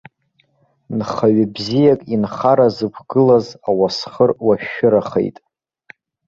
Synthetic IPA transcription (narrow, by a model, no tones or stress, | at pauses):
nχaɥɪbzijakʼinχaɾazɨpʷʰɡɨlazawasχərwaʃɪɾaχḛjtʼ